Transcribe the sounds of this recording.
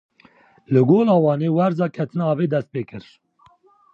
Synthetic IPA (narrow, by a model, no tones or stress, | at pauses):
lɨɡoːlɑːwɑːneːwɛɾzɑːkʰɛt̪ʰɨnɑːveːd̪ɛst̪̚peːkɨɾ